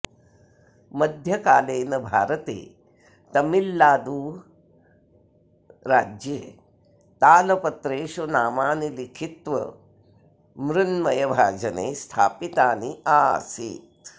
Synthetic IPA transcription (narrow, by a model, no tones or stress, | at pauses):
mɐd̪ʱjɐkaːleːnɐbʱaːɾɐt̪ḛː | t̪ɐmilːaːd̪uː | ɾaːd͡ʒjeː | t̪aːlɐpɐt̪ɾeːʃunaːmaːnilikʰit̪ʋɐ̰ | mɾunmɐjɐbʱaːd͡ʒɐnḛːst̪ʰa̰ːpit̪aːniaːsḭːt̪